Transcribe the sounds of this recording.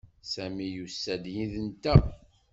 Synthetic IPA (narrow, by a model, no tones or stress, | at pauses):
sæmijusːæd̪jiðənt̪æ